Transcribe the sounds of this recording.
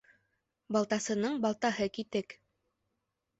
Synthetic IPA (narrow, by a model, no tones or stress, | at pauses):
bɑlˠt̪ɑsɤ̆nɤɴbɑlˠt̪ɑɦɤkit̪ɘk